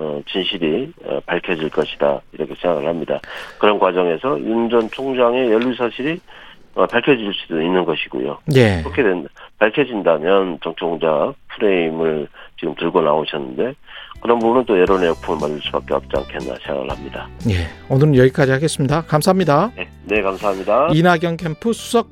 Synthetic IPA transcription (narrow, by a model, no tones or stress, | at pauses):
ʌt͡ɕinɕʰiɾiʌ̰paɭkʰjʌd͡ʑiɭk͈ʌɕʰi̥da̰iɾʌkʰe̞sʰe̞ŋɡaɡɯɭhamɲida̰kɯɾʌnkwad͡ʑʌŋe̞sʰʌjund͡ʑʌnt͡ɕʰoŋd͡ʑaŋe̞jʌʎːusʰaɕʰiɾi | ʌpaɭkʰjʌd͡ʑiɭs͈udoinːɯnɡʌɕʰiɡo̰jo̰je̞ɯɾʌkʰedwedapaɭkʰjʌd͡ʑindamjʌnt͡ɕʌŋt͡ɕʰoŋd͡ʑak̚pʰɯɾe̞imɯɭt͡ɕiɡɯmtɯɭɡona̰oɕʰʌnːɯnde̞kɯɾʌnbubunɯnt͈ojʌɾonejʌk̚pʰumɯɭmandɯɭs͈u̥bak͈ea̰k̚t͡ɕ͈ia̰nkʰenːa̰sʰeŋɡa̰ɡɯ̰ɭha̰mɲida̰je̞onɯɾɯnjʌɡik͈ad͡ʑihaɡe̞s͈ɯmɲidakamsʰaɦamɲidae | ne̞kamsʰaɦamɲidainaɡjʌŋkʰe̞mpʰusʰu̥sʰʌk̚